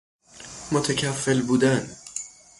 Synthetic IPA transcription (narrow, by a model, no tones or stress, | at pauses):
mot̪ʰæcʰæfːelbuːd̪æn